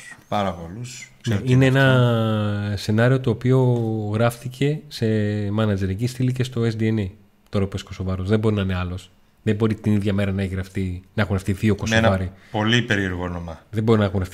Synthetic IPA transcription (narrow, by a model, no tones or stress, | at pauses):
pɐɾɐpolus | neineenɐ | se̞nɐɾio̞t̪o̞ːpio̞ɣɾɐft̪icʰe̞se̞mɐnɐd͡ze̞ɾecist̪ilice̞st̪o̞esd̪iene | t̪oɾɐpesko̞so̞vɐɾosðe̞mbo̞ɾinɐineɐlo̞s | ðebo̞ɾit̪iniðʝɐme̞ɾɐnɐeçiɣɾɐfθinɐexunɾɐft̪iðio̞ko̞sonvɐɾipo̞lipeɾieɾɣo̞nomɐðembo̞ɾinɐexuŋɣɾɐfθi